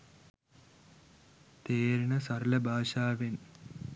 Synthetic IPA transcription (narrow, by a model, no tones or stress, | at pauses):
t̪eːɾɳɐsɐɾlɐbʱaːʃaːʋen